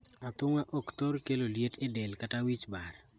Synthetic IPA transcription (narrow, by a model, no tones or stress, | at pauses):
at̪ʊŋaʔokt̪oɾkeloljetʰɪdɛlkatawit͡ʃbaɾ